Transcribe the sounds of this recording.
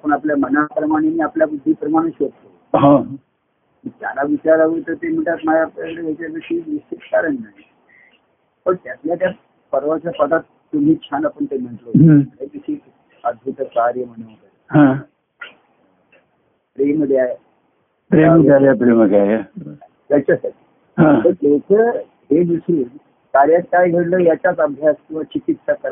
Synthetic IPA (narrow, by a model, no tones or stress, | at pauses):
apəɳapljamənapɾəmaɽ̃eniːapljabud̪ʱːiːpɾəmaɽ̃iɕʋət̪t̪o | ɦõ | mit̪ja̰laʋit͡ɕaɾaʋət̪əɾt̪em̤əɳʈat̪majaplakəɽeɦat͡ɕjad̪iɕiːʋist͡ɕit̪kaɾənːaɦi | pəɳt̪jat̪ljat̪ja | pəɾʋat͡ɕjapəd̪at̪ːum̤iːt͡ɕʰanapəɳt̪em̤əɳʈloeʋ̪isik | əd̪̚bʱut̪kaɾjəm̤əɽ̃emot̪ə | ɦã | pɾeməd̪eaje | pɾemɡaɾjapɾeməɡeaja | d͡zət͡ɕʰasəɾ | ɦãt̪əɾekʰə | ɦed̪usɾiːn | kaɾjat̪̚kajɡʱeɽləːjat͡ɕjat͡səbʱjast̪uʋat͡ɕikit̪sakəɾ